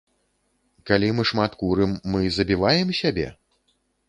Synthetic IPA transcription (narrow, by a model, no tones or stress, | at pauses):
kalʲimɨʂmat̪kuɾɨmːɨzɐbʲivajɛmsʲabʲɛ̰